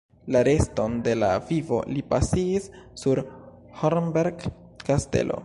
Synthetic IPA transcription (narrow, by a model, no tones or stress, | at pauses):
laɾe̞sto̞nde̞lavivo̞̰lipasiːsːuɾ | hoɾmbeɾɡ | kaste̞̰lʔo̞̰